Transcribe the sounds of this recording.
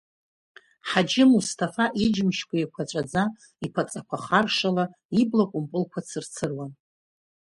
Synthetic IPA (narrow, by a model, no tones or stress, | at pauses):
ħad͡ʒɪmustʰʼafaʔid͡ʒmʃkʷʰʼaikʷʰat͡ʃʷʼad͡za | ipʰat͡sʼakʷʰaχarʂala | iblakʷʼʊmpʼɨlkʷʰat͡sʰɨrt͡sʰɨrwan